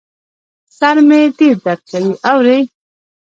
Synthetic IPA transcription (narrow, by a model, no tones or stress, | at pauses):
saɾmet̪iɾd̪aɾ̚kawiʔawɾej